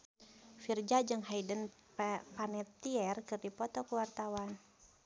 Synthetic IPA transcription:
fird͡ʒad͡ʒɨŋɦaidən | panɛt̪ːiɛrkɨrdipɔt̪ɔkuwart̪awan

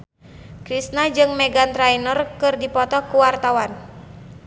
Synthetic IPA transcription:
kɾisnad͡ʒɨŋmɛɡant̪ɾainɔrkɨrdipɔt̪ɔkuwart̪awan

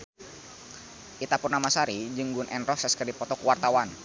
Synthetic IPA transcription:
ʔit̪apʊrnamasaɾid͡ʒɨŋɡunʔɛnrɔsəskərdipɔt̪ɔkuwart̪awan

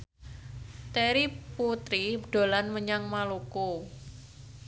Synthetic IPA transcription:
t̪eɾiput̪ɾiɖ̥o̤lanməɲaŋmaloko

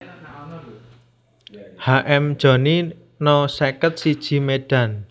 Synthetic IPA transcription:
haʔɛmd̥ʒ̥ɔ̤ni | nɔsekət̪̚sid̥ʒ̥i̤meɖ̥a̤n

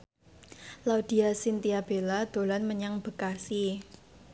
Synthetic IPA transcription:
laud̪̥i̤asint̪iab̥elad̪̥o̤lanməɲaŋb̥ə̤kasi

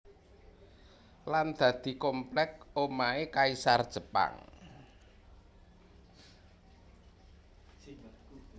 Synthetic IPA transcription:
land̪̥ä̤d̪̥i̤komplɛk̚omaekaisard̥ʒ̥ə̤pa̰ŋ

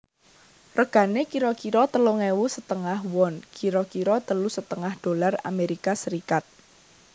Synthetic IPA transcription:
rəɡ̥a̤nekiɾɔkiɾɔt̪əluŋewusət̪əŋahwɔnkiɾɔkiɾɔt̪əlusət̪əŋahd̥o̤lara̰meɾikasəɾikat̪̚

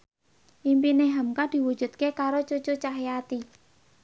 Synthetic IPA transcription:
ʔimpineɦamkad̪̥i̤wu̥d͡ʒ̥ṳt̪̚kekaɾot͡ʃo̥t͡ʃot͡ʃaɦejat̪i

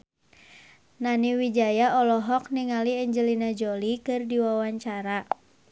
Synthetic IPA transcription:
naniwid͡ʒajaɔlɔɦɔk̚niŋaliɛɲd͡ʒəlinad͡ʒolikɨrdiwawaɲt͡ʃaɾa

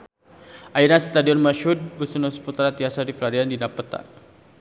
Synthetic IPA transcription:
ʔaiɾast̪adiɔnmaʃɦud̪̚bəsunɔsə̥put̪ɾat̪iasadiklaɾiandinapət̪a̰

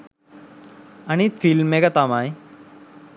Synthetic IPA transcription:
añifilmːeɡat̪amaj

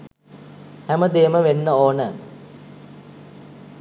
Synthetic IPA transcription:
hæməd̪eːməʋenːəoːnə

